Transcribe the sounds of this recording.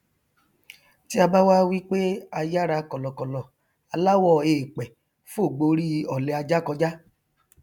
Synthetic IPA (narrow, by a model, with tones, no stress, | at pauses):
ti˦a˧ba˦wa˦wi˦k͡pe˦a˧ja˦ɾa˧kɔ˨lɔ˨kɔ˨lɔ˨ | a˧la˦wɔ˦˨eː˨k͡pɛ˨ | fũ˦o˦˨ɡ͡bo˧ɾi˦˧ɔ˨lɛ˨˧˦a˧d͡ʒa˦kɔ˧d͡ʒa˦